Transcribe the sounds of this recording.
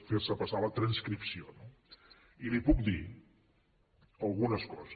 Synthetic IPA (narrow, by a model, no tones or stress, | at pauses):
feɾsəpəsaβət̪ɾənskɾipsiono | ilipuk̚d̪i | əlˠɣunəskɔzə